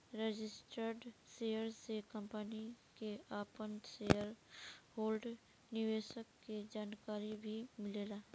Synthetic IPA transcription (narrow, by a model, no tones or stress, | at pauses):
ɾed͡ʒɪsʈəɾɖseːjəɾsekə̃mpənikeaːpənsejəɾhoːlɖ | nɪʋeːʃəkːed͡ʒaːnkaːɾibʱimɪleːlaː